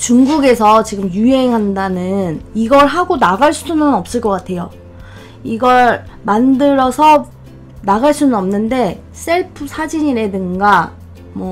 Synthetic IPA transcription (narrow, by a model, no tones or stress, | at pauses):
t͡ɕuŋɡuɡe̞sʰʌt͡ɕiɡɯmjuɦe̞ŋɦandanɯniɡʌɭɦaɡonaɡaɭs͈udunɯnʌp̚s͈ɯɭk͈ʌk͈atʰe̞jo | iɡʌɭ | mandɯɾʌsʰʌ | naɣaɭs͈unɯnʌmnɯnde̞ | s͈e̞ɭpʰɯsʰad͡ʑiɲiɾe̞dɯŋɡa | mwʌ